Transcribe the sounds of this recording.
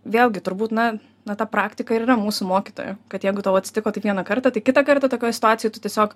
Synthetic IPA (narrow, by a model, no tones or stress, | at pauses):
ʋʲeːlˠʲɡʲɪt̪ʊɾbuːt̪nɐ | nɐt̪ɑːpɾɑːkt̪ʲɪkɐɪɾiːɾɐmuːsʊmoːkʲɪt̪o̰ːjʊkɐt̪jɛɪɡʊt̪ɐʋoːɐt̪ʲsʲɪ̥t̪ɪkoːt̪ɐɪʋʲiɛnɐkɐɾt̪ɐt̪ɐɪkʲɪt̪ɐkɐrt̪ɐt̪oːkʲoːjsʲɪt̪ʊaːt̪t͡sʲɪjoːt̪ʊt̪ʲiɛsʲoːk